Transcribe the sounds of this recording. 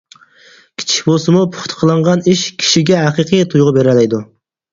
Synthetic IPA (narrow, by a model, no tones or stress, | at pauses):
kʲʰi̥t͡ʃʰi̥kʲbosɨmupʰʊ̥χt̪ʰə̥qʰəlˠɑɴʁɑniʃkʲʰi̥ʃiɡʲɛɦæqiqʰɨjt̪ʰujʁɑbeɾɛlɛjd̪u